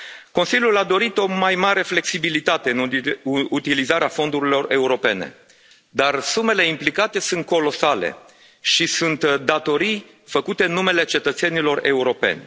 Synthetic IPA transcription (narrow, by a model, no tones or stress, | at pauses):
ko̞nsilʲjulad̪o̞ɾit̪o̞majmaɾe̞fle̞ksibilit̪at̪e̞ɨnut̪ilizaɾeafo̞nd̪uɾilo̞re̞uɾo̞pe̞ne̞̰ | d̪arsume̞le̞implikat̪e̞sunt̪̚ko̞lo̞sale̞̰ | ʃisunt̪d̪at̪o̞ɾij | fəkut̪e̞ɨnːume̞le̞t͡ʃe̞t̪ət̪se̞nilo̞re̞uɾo̞pe̞̰nʲ